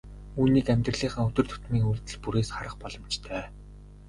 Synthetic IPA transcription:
uːniːkæmʲt̪rə̆ɮiːχə̆ŋɵt̪ɵ̆r̥t̪ʰʊ̥t̪miːŋuɮt̪ɘ̆ɮpuɾeːsχaɾə̆χpɔɮɞ̆mt͡ɕt̪ʰœː

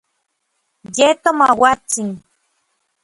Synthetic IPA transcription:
jet̪omawat͡siŋ

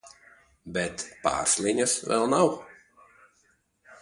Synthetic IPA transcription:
bʲɛt̪pa̰ːɾslʲˠiɲasvɛ̰lˠnaw

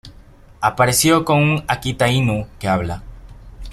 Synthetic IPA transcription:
apaɾe̞sjo̞ko̞ŋuŋakit̪ainukeaβla

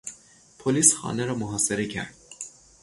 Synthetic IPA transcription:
pʰoliːsxɒ̰ːneɾɒːmoɦɒːse̞ɾe̞cʰæ̰ɾd̪̥

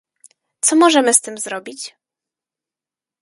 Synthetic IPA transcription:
t̪sɔmɔʐɛmɘst̪ɘmzɾɔbʲit͡ɕ

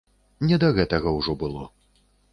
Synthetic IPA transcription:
nʲɛd̪ɐɣɛt̪ɐɣɐwʐɔbɨlˠɔ

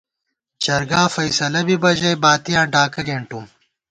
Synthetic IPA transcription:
t͡ʃɐɾɡaːfɐjsɐlɐbibɐʑɐjbaːt̪ijãːɖaːkɐɡeːɳʈum

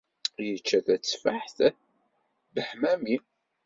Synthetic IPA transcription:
jət͡ʃːæθæt͡sːfaħθ | bəħmæmi

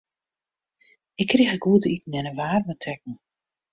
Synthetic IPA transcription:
ɪkːrixəɡuətəiknɛnəʋaːrmətʰɛk̚ŋ̩

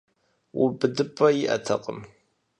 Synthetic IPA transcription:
wʊbɨdɨpʰʼːɐjɪʔɐ̰tʰɐqʼəm

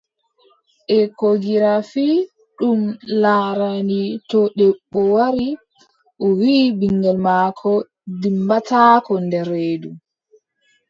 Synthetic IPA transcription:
ʔɛkoɡiɾafi | ɗumlaːɾanitɔɗɛɓːɔwaɾi | ʔɔwiːbiŋɡɛlmaːkʰɔ | dimbatʰaːkɔndɛɾeːdu

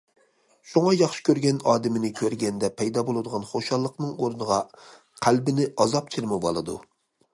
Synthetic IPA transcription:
ʃuŋɑjɑχʃɪ̥kʲøɾɡʲɛnɑːd̪ɪmɪnɪkʲʰøɾɡʲɛnd̪ɛpʰɛjd̪ɑbolˠɨd̪əʁɑnχoʃɑlˠːəqnɨŋoɾnəʁɑ | qʰælbɪnɪʔɑzɑp̚t͡ʃʰiɾmɛvɑ̰lˠɨd̪ṵ

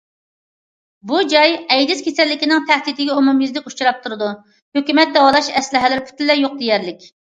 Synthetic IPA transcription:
bud͡ʒɑjɛjd̪ɪskʲʰesɛlːɪkʲɪnɪŋt̪ʰɛhd̪id̪ɪɡʲɛumumjizlɪkʲut͡ʃɾɑp̚t̪ʰuɾɨd̪u | høkʲymɛt̪̚d̪ɛwɑlˠɑʃɛslɪɦɛlɪɾpʰy̥t̪ɪlːɛjoq̚d̪ejɛɾlɪkʲ

